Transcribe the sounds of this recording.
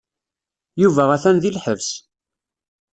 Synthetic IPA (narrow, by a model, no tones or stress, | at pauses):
juvææθænðilħəvs